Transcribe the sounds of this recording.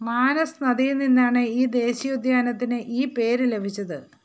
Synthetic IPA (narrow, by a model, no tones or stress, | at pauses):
maːnɐsɨnɐðijninːaːɳɨiːd̪e̞ːɕijud̪ʱjaːnɐt̪ːinɨʔiːpe̞ːɾɨle̞bʱit͡ɕːɐðɨ